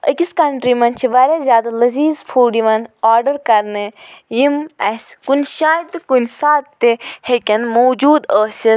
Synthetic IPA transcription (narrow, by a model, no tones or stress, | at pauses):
ə̰kʲiskɐɳʈɾimɐnt͡ʃʰiʋaːɾʲjazʲjaːd̪alɐziːzfʰuːɖiʋɐnaːɾɖəɾkɐɾnɨjimɐsʲkunʲʃaːjit̪ɨkunsaːt̪t̪ːehekʲɐnmoːd͡ʒuːd̪əːsʲi